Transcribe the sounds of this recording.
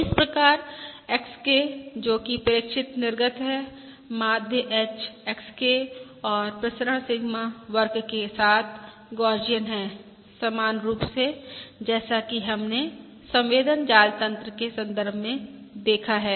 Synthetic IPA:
ɪspɾɐkaːɾeksked͡ʒoːkipɐɾɪkʃɪt̪nɪɾɡət̪ɦɛ | maːd̪ʱjəʔɛːt͡ʃekske | ɔːɾpɾɐsɾə̃ɳ̃sɪɡmaʋəɾkkesaːt̪ʰ | ɡɔːɾd͡ʒijənɦɛː | sɐmaːnɾuːpsed͡ʒɛːsakiɦɐmne | sɐ̃mʋeːd̪ənd͡ʒaːlt̪ə̃nt̪ɾəkesɐ̃nd̪əɾbʱmẽd̪eːkʰaɦɛː

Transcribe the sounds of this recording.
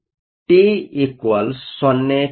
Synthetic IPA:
ʈiikwɐlsɔnːe

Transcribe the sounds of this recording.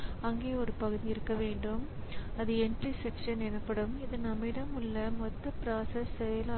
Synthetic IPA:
ɐŋɡeːɔɾɯpɐɣɯðiɪɾɯkːɐʋeːɳɖɯmɐðɯɛndrisɛkʂɐnɛnɐpːɐɽɯmɪðɯnɐmːɪɽɐmɯɭːɐmɔt̪ːɐpɾaːsɐsːɛjɐla

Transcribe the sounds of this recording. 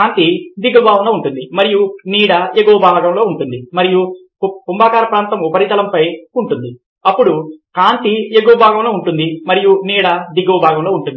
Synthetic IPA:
aːnt̪id̪iɡɐbʱaːʋɐnloːuɳʈund̪imɐɾijuniːɽɐeɡoːbʱaːɡɐmlo̞ːuɳʈund̪imɐɾiju | kumbaːkaːɾɐpɾaːnt̪ɐmupɐɾit̪ɐlɐmpɐjuɳʈund̪i | ɐpːuɽukaːnt̪ieɡoːbʱaːɡɐmlo̞ːuɳʈund̪imɐɾijuniːɽɐd̪iɡɐːbʱaːɡɐmloːuɳʈund̪i

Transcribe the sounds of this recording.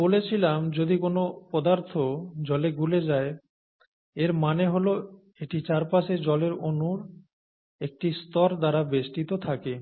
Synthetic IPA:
bolet͡ɕʰilamd͡ʑod̪ikonopɔd̪aɾt̪ʰod͡ʑɔleɡuled͡ʑae | eɾmaneɦolo | eʈit͡ɕaɾpaʃed͡ʑɔleɾonuɾ | ek̚ʈist̪ɔɾd̪aɾabesʈit̪ot̪ʰake

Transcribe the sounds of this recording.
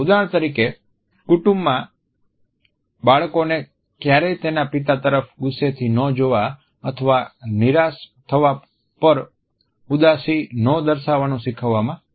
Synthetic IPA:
ud̪aɳ̃t̪əɾike | kuʈũmbːã | baɭkone | kjaɾɛt̪enapit̪at̪əɾəfɡʊset̪ʰinəd͡ʒoʋa | ət̪ʰəʋaniɾast̪ʰəʋa | pəɾ | ud̪asinɔ̃d̪əɾʃaʋanũʃɪkʰəʋːamã

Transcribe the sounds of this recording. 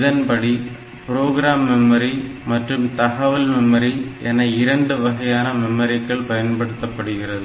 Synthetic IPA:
ðɐnpɐɽi | pɾoːɣɪɾaːmːɛmːɐɾimɐʈrɯmt̪ɐɣɐʋɐlmɛmːɐɾiʔɛnɐɪɾɐɳɖɯʋɐɣɐjaːnɐmɛmːɐɾɪkːɐɭpɐjɐnpɐɽɯt̪ːɐpːɐɽɯɣɪrɐðɯ

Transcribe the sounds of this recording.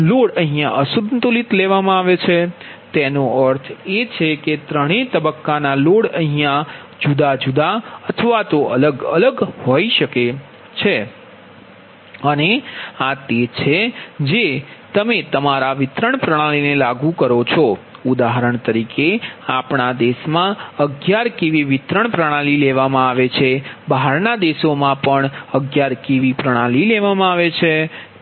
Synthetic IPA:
loɽəɦijãʔəsud̪nt̪ulit̪leʋamãaʋet͡ʃʰet̪enõəɾt̪ʰet͡ʃʰeket̪ɾəɽ̃et̪əbəkːanaloɽəɦijã | d͡ʒud̪ad͡ʒud̪aət̪ʰəʋat̪oə̰ləɡə̰ləɡhoiʃəke | t͡ʃʰe | əneat̪et͡ʃʰed͡ʒet̪əmet̪əmaɾaʋɪt̪ɾəɳpɾəɽ̃alinelaɡũkəɾot͡ʃʰo | ʊd̪aɦəɾəɳt̪əɾikeapɳad̪eʃmãəɡjaɾkeʋiʋɪt̪ɾəɳpɾəɽ̃alileʋamãaʋet͡ʃʰebaɦaɾnad̪eʃomãpəɳəɡjaɾkeʋipɾəɽ̃alileʋamãaʋet͡ʃʰe

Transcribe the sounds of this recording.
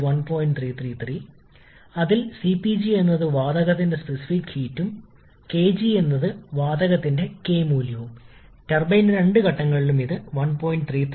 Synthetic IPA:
ʋɐnpoːjinɖt̪ʰriːt̪ʰriːt̪ʰri | ɐðilsipid͡ʑie̞nːɐðɨʋaːd̪ɐɣɐt̪ːinde̞spesi̥fikhiːtːum | ke̞ːd͡ʑie̞nːɐðɨʋaːd̪ɐɣɐt̪ːinde̞ke̞ːmuːljɐʋum | ʈerbɐjnɾɐɳɖɨkɐʈːɐŋːɐɭilumiðɨʋɐnpo̞ːjiɳɖ̚t̪ʰriːt̪

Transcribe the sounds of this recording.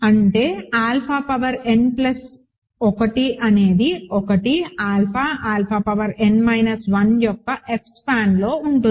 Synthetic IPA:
ɐɳʈe̞ːaːlpʰaːpɐʋɐɾe̞nplɐs | ɔkɐʈiʔɐne̞ːd̪iɔkɐʈiaːlpʰaːʔaːlpʰaːpɐʋɐɾe̞nmɐjnɐsʋɐnjɔkːɐʔe̞kspʰaːnlo̞ːuɳʈu

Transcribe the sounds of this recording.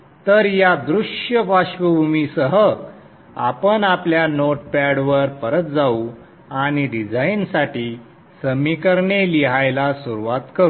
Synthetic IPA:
t̪əɾjad̪ɾuʂjəpaɕʋəbʱumisəɦə | a̰pənapljanoʈ̚paɽʋəɾpəɾət̪̚d͡zau | añiɖid͡zainsaʈiː | səmikəɾɳeliɦajlasuɾuʋat̪kəɾu

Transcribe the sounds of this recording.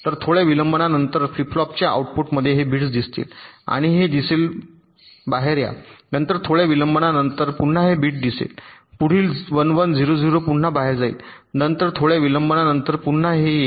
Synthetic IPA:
t̪əɾt̪ʰoɭjaʋiləmbənanənt̪əɾfɾiplɔp̚t͡ɕjaa̰uʈ̚puʈməd̪ʱːjeɦebʱiːʈsd̪ist̪ḭːla̰ɽ̃iɦed̪isel | baɦeɾja̰nənt̪əɾt̪ʰoɭjaʋiləmbəɳanənt̪əɾpun̤ːaɦebiːʈ̚d̪isḛl | puɽ̤iːlʋənʋənd͡ziɾod͡ziɾopuɳ̤ːabaɦeɾd͡zaḭl | nənt̪əɾt̪ʰoɭjaʋiləmbənanənt̪əɾpun̤ːaɦe

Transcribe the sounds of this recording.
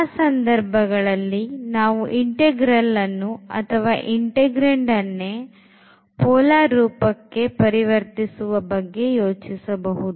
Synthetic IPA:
sɐnd̪ɐɾbʱɐɡɐɭɐlːinaːʋuʔiɳʈeɡɾɐlːɐnːuɐ̰t̪ʰɐʋaːʔiɳʈeɡɾeɳɖɐnːe | pɔːlaːɾuːpɐkːe̞pɐɾiʋɐɾt̪isuʋɐbɐɡːe̞joːt͡ʃisɐbɐɦud̪u

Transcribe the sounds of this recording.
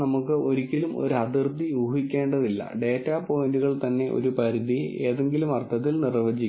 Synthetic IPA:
nɐmukːɨʔo̞ɾikʲːilumo̞̰ɾuɐd̪ird̪ʱijuːɦikʲːe̞ːɳɖɐðilːɐ̰ɖe̞ːtːaːpo̞jnduɣɐɭt̪ɐnːe̞ʔo̞̰ɾupɐɾiðie̞̰ːðe̞ŋɡilumɐrt̪ʰːɐt̪ːilnirʋɐd͡ʑikː

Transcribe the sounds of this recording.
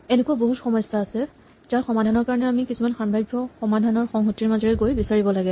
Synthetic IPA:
ɛnekuaboɦutxɔmɔjsaːsɛ | zaɹxɔmadʱanɔɹkaɹɔnɛamikisumanxamɹajɡʱːɔxɔmadʱanɔɹxɔŋɦotiɹmazɔɹɛɡojbisaɹibɔlaɡɛ

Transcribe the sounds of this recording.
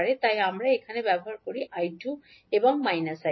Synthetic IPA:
ɾet̪ajamɾaekʰanebɛbɔɦaɾkoɾiʔajʈju | ebɔŋmajnasa

